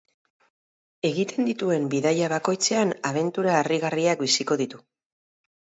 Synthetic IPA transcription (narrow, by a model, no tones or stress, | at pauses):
e̞ɣit̪e̞nd̪it̪ue̞mbiðajaβako̞jt͡se̞anaβ̞e̞nt̪uɾaːriɣariak̚bisiko̞ðit̪u